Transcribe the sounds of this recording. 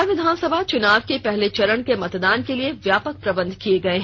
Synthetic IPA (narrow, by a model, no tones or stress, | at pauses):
ʋɪd̪ʱaːnsəbʱat͡ʃʊnaːʋkepɛɦlet͡ʃɐɾəɳkemɐt̪d̪aːnkelieʋjaːpək̚pɾɐbə̃nd̪ʱkieɡɐeɦɛ̃